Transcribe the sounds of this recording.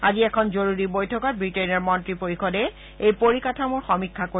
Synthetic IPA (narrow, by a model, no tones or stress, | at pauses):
a̰ziɛkʰɔnzoɹuɹibojtʰɔkat̚bɹitenɔɹmɔntɹipoɹikʰɔdɛ | ejpoɹikatʰamʊɹxɔmikʰːako